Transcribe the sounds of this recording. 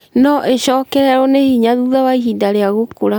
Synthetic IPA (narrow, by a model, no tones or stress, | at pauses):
nɔʔeɕɔːkɛɾɛɾɔnehiɲaðuðawaiɦidaɾeaɣokoɾa